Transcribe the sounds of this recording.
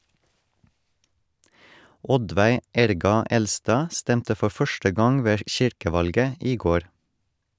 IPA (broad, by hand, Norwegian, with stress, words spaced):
ˈɔdʋæɪ ˈæɾɡɑ ˈɛlˌstɑː ˈstɛmtə ˈfɔ ˈfœʃʈə ˈɡɑŋ ˈʋeː ˈʃɪɾkəˌʋɑlɡə ˈiː ˈɡoːɾ